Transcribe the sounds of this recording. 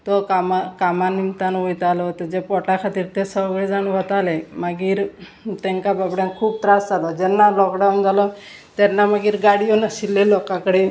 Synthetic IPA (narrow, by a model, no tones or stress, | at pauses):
t̪ɔkamakamanimt̪anʋojt̪alɔt̪ɔd͡ʑepɔʈakʰat̪iːɾt̪esəwɡɭed͡zaɳʋɔt̪alemaɡiːɾ | t̪ɛŋkababɽjãnkʰuːb̚t̪ɾasd͡zalɔd͡ʑɛnːalɔkɖawnd͡zalɔ | t̪ɛnːamaɡiːɾɡaɽijɔnasilːelɔkãkəɽe